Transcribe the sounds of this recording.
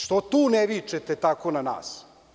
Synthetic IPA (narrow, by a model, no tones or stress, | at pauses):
ʃt̪ot̪uːneʋit͡ʃet̪et̪akonana̰ːs